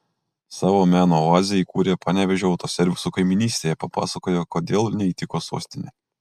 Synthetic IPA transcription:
sɑːʋoːmʲæːnoːoɑːzʲɪjikuːɾʲeːpɑːnʲɛʋʲɛʒʲʊɒʊt̪oːsʲɛɾʲʋʲɪsukɐɪmʲɪnʲiːsʲt̪ʲeːjɛpɐpɑ̰ːsɐkoːjokoːd̪ʲeːlˠnʲɛiːt̪ʲɪkoːsṵːsʲt̪ʲɪnʲe

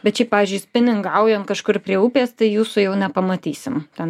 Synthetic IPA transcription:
bʲɛt̪t͡ʃʲɛɪpɑːʋʲiːzʲd͡ʒʊɪsʲpʲɪnʲɪŋɡɐʊjoːnkɐʃkʊrpʲɾʲiɛupʲeːst̪ɐɪjuːsʊjɛʊnʲɛpɐmɐt̪ʲiːsʲɪmt̪ʲɛn

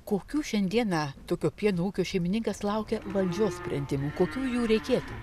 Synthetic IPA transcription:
koːkʲuːʃʲɛnʲd̪ʲiɛnɑt̪oːkʲoːpʲiɛnoːuːkʲoːʃʲɛɪmʲɪnʲɪŋkɐslˠɐʊkʲɛʋɐlʲd͡ʒʲoːssʲpʲɾʲɛnʲd̪ʲɪmukoːkʲuːjuːɾʲɛɪkʲeːt̪u

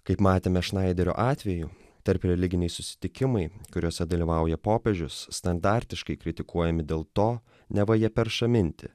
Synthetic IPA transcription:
kɐɪpmɑːt̪ʲeːmʲɛʃnɐɪd̪ʲɛɾʲo̰ːʔɑːt̪ʲʋʲɛju | t̪ɐɾpɾʲɛlʲɪɡʲɪnʲɛɪsʊsʲɪ̥t̪ʲɪkʲɪmɐɪkʊɾʲuɔsʲɛd̪ɐlʲiːʋɐʊjɛpoːpʲɛʒʲʊsːt̪ɐnd̪ɑːɾʲt̪ʲɪʃkɐɪkɾʲɪt̪ʲɪkuɔjɛmʲɪd̪ʲeːlˠt̪oː | nʲɛʋɐjiɛpʲɛɾʃɐmʲɪnʲt̪ʲɪ

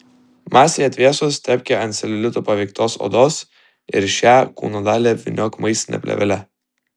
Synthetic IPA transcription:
mɑːsʲeɛːjɛt̪ʲʋʲiɛsʊst̪ʲɛpʲkʲɛɐnʲsʲɛlʲɛlʲɪt̪opɐʋʲɛɪkt̪oːso̰ːd̪oːs | ɪ̰ɾʃʲæːkṵːnod̪ɑːlʲɛʋʲɪ̰nʲoːkmɐɪsʲt̪ʲɪnʲɛ̰pʲlʲɛ̰ʋʲɛ̰lʲɛ

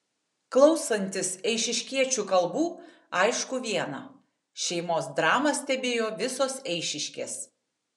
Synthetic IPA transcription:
klˠɒʊsɐnʲt̪ʲɪsɛɪʃʲɪʃʲkʲiɛt͡ʃʲuːkɐlˠbuː | ɐɪʃkʊʋʲiɛnɐ | ʃʲɛɪmoːsd̪ɾɑːmɐsʲt̪ʲɛbʲeːjoːʋʲɪsoːsɛɪʃʲɪʃʲkʲḛːs

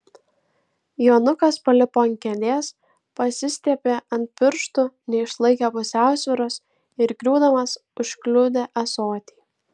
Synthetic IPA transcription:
joːnʊkɐspɐlʲɪpoːɐŋʲkʲɛd̪ʲeːs | pɐsʲɪsʲt̪ʲiɛpʲeːʔɐnʲt̪̚pʲɪɾʃt̪ʊnʲɛɪʃlˠɐɪkʲɛpʊsʲæˑʊsʲʋʲɪɾoːs | ɪɾɡɾʲuːd̪ɐmɐsʊʃklʲʊd̪ʲeːʔɐsoːt̪ʲiː

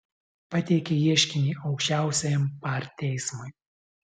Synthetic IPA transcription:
pɐt̪ʲɛɪkʲɛiɛʃʲkʲɪnʲiːɒʊkʃʲt͡ʃʲæˑʊsʲɛjɛmpɑˑɾt̪ʲːɛɪsmʊj

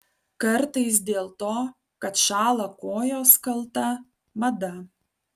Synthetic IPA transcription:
kɐɾt̪ɐɪs̬d̪ʲeːlˠt̪oː | kɐt̪ʃɑːlˠɐkoːjoːskɐlˠt̪ɐ | mɐd̪ɐ

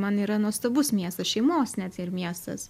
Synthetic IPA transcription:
mɐniːɾɐnuɔst̪oːbʊsmʲiɛst̪ɐʃʲɛɪmoːsnʲæt̪ʲɪɾmʲiɛst̪ɐ̰s

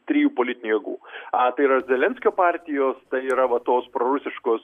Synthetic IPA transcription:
t̪ʲɾʲijuːpoːlʲɪt̪ʲɪnʲujɛɡṵːɐt̪ɐɪiːɾɐzʲɛlʲɛnʲsʲkʲoːpɑːɾʲt̪ʲɪjoːst̪ɐɪiːɾɐʋɐt̪oːspɾoːɾʊsʲɪʃkoːs

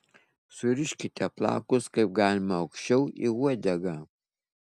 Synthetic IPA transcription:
sʊɾʲɪʃʲkʲɪt̪ʲɛplˠɑ̰ːkʊskɐɪp̚ɡɑːlʲɪmɐɐʊkʃʲt͡ʃʲɛʊḭuɔd̪ʲɛɡɐ

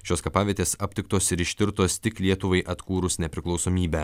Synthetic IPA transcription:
ʃʲoːskɐpɑːʋʲiɛt̪ʲeːsɐpʲt̪ʲɪkt̪oːsɪɾɪʃʲt̪ʲɪɾt̪oːst̪ʲɪklʲiɛt̪ʊʋɐɪʔɐt̪kuːɾʊsnʲɛpʲɾʲɪklˠɒʊsoːmʲiːbʲæː

